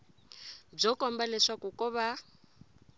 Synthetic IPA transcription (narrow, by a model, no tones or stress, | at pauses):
b͡ʐɔkɔmbalɛʂakukʼɔβa